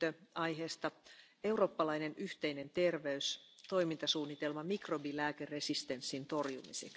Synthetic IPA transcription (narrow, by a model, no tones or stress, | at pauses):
øɑjɦeːst̪ɑ | e̞uro̞ːpːɑlɑjnenyht̪eine̞nt̪e̞rʋeyst̪o̞jmint̪ɑsuːnːit̪e̞lmɑmikrobilæːkeresist̪e̞nsːint̪o̞rjumḭsḛk